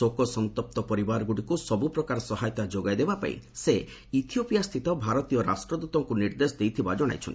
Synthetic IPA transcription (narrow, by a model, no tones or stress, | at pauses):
okɔsɔnt̪ɔp̚t̪ɔpɔɾibaɾɔɡuɽikusɔbupɾɔkaɾɔsɔɦajɔt̪ad͡ʒoɡajd̪ebapa̰ḭ̃se | it̪ʰiopijast̪ʰit̪ɔbʱaɾɔt̪ijɔɾa̰sʈɾɔd̪ut̪ɔŋkuniɾd̪esɔd̪ejt̪ʰibad͡ʒɔɽ̃a̰jt͡ʃʰɔ̰n